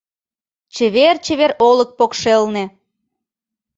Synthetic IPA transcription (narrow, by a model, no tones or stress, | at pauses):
t͡ɕəβert͡ɕəβeɾolək̚pokʃelnĕ